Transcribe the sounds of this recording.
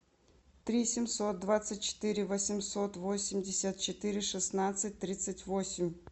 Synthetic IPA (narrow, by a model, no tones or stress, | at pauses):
t̪ɾʲisʲɪmʲso̞t̪̚d̪vat̪sɨt̚ʲt͡ɕɪ̥t̪ɨɾʲɪvəsʲɪmsot̪vosʲɪmʲdʲɪsʲət̪̚t͡ɕɪt̪ɨɾʲɪʂɨsnat̪sɨt̚ʲt̪ɾʲit̪sɨtʲvosʲɪmʲ